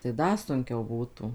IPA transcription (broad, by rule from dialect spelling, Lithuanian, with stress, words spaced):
tɐɪ ˈdɐ sʊŋʲˈkʲɛʊ ˈbuːtuː